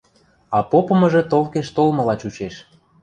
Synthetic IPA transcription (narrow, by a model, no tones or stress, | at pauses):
ɑpopɤ̆mɤ̆ʒĕt̪olkeʃt̪olmɤ̆lɑt͡ɕut͡ɕeʃ